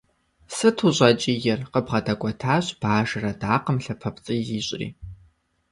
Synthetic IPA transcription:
sɨtʰuɕʼɐt͡ʃʼijɛrqəbʁɐdɐkʷʼɔtʰaːɕb̥aːʒɨrɐdaːqəmɬɐpʰɐpʼt͡sʼɨziːɕʼrḭː

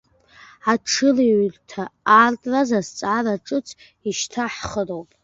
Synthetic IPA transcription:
aʈ͡ʂʰɨliɥrtʰaːrtʼrazast͡sʼaraʈ͡ʂʼɨt͡sʰ | iʃtʰaħχərowpʼ

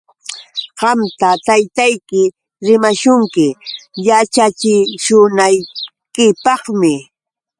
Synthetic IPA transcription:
ɢɑmt̪at̪ajt̪ajkɪ | ɾɪmaʃʊŋkɪjat͡ʃat͡ʃɪʃʊnaj | kɪpɑχmɪ

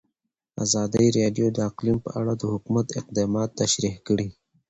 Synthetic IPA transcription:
a̰zɑːd̪əjiɾeɖjod̪əaqlimpə̰ʔaɽad̪əhʊkmat̪ɪq̚d̪ɑːmɑt̪ːaʃɾihkəɽi

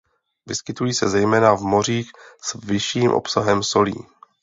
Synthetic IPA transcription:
vɪskɪt̪ujiːsɛzɛjmɛːnavmo̞riːxsvɪʃiːmʔo̰psaɦɛmso̞lḭː

